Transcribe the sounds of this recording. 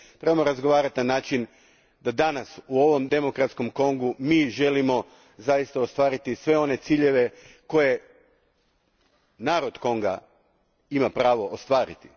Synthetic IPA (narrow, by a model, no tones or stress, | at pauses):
t̪ɾe̞bamoɾazɡo̞ʋaːɾat̪inanaːt͡ʃin | d̪ad̪anasuo̞ʋo̞md̪e̞mo̞kɾat̪sko̞mko̞ŋɡumiːʒe̞limo̞ | zajist̪aost̪ʋaːɾit̪isʋe̞o̞ne̞t̪siːʎe̞ʋe̞ | ko̞je̞ | naːɾo̞d̪̥ko̞ŋɡa̰ | imapɾaːʋo̞ʔost̪ʋaːɾit̪i̥